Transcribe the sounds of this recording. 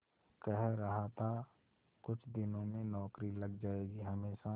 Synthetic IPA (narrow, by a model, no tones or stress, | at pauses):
kɛɦɾɐɦat̪ʰa | kʊt͡ʃʰd̪ɪnõmẽnɔːkɾiləɡd͡ʒaːeːɡiɦɐmeːʃa